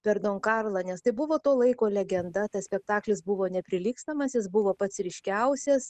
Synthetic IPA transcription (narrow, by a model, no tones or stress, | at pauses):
pʲɛɾd̪oːŋkɑrlˠɐnʲɛst̪ɐɪbʊʋoːt̪oːlˠɐɪkoːlʲɛɡʲɛnd̪ɐt̪ɐsʲpʲɛk̚t̪ɑːklʲɪsbʊʋoːnʲɛpʲɾʲɪlʲiːkst̪ɐmɐsjɪsbʊʋoːpɐt̪sɾʲɪʃʲkʲɛʊsʲɛs